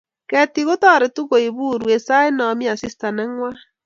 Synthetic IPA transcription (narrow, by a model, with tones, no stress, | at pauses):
kɛ˦ti˨ɣo˦tɔ˦˨ɾe˨tu˦ɣo˨i˨βu˦ɾwe˨sa˦e˦nɔ˨mi˦a˨si˦sta˨nɛ˦ŋwa˦